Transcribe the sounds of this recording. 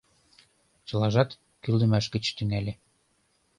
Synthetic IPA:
t͡ɕɤ̆lɑʒɑt̪ | kyld̪ɘ̆mæʃkɘ̆t͡ɕt̪yŋælʲe

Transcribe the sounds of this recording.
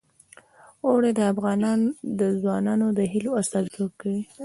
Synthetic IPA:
oɽed̪əafɣɑnɑnd̪əzwɑnɑnod̪əɦiloast̪ɑzokːawi

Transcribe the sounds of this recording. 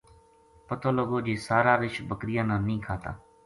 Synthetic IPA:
pət̪oːloɡoːd͡ʒeːsaːɾaːʋɪt͡ʃbəkɾɪjãːnãːnəĩːkʰaːt̪a̰ː

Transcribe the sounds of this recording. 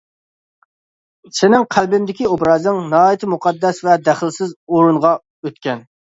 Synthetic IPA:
sɪnɪŋqʰælbɪnd̪ɪkʲiobɾɑːznɨŋnɑːjit̪ʰɪmuqʰɑd̪ːɛsvɛd̪æχɪlˠsɪzoɾuɴʁɑ | øt̪kʲɛn

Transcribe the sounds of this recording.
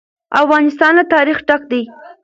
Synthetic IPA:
afɣɑnɪst̪ɑnlat̪ɑɾixʈak̚d̪aj

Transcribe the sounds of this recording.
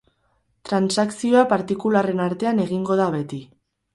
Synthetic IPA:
t̪ɾansaksio̞apaɾt̪ikulare̞naɾt̪e̞ane̞ɣ̞iŋɡo̞ðaβe̞t̪i

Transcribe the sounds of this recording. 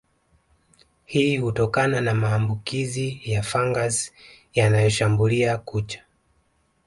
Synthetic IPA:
hiːhutɔkananamaːmbukizijafaŋɡaz | janajɔʃambuliakut͡ʃḁ

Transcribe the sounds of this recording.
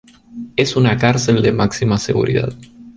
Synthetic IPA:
est̪unakarseld̪e̞maksimase̞ɡṵɾḭða̰t̪

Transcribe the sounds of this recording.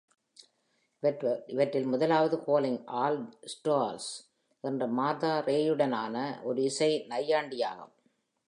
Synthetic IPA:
ɪʋɐʈːɪlmʊðɐlaːʋɐðɯkoːlɪŋʔaːlsʈoːɾs | ʔɛndrɐmaːðaːɾeːjɯɽɐna̰ːnɐʔɔɾɯɪsɐɪnɐjːaːɳɖɪja̰ːɣɯ̰m

